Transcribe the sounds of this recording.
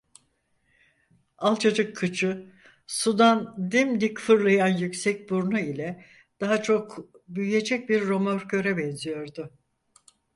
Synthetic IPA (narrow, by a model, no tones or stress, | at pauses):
alˠt͡ʃʰad͡ʒɯkʰːɯt͡ʃʰɯ | sud̪and̪imd̪icfɯɾlˠajanjycsɛc̚buɾnuilʲɛ | d̪̥aɦat͡ʃʰo̞k | byjyje̞d͡ʒɛc̚biɾːo̞moɾcʰø̞ɾɛbɛnzijo̞ɾd̪ʊ